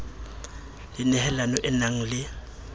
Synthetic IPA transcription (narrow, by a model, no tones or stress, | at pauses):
lɪnɛhɛlanɔʔɪnaŋ̩lɪ